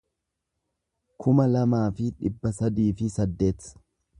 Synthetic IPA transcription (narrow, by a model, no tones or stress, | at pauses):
kʰʊmɐlɐmaːfɪᶑɪbːɐsɐd̪iːfɪsɐd̪ːe̞ːt̪ɐ̥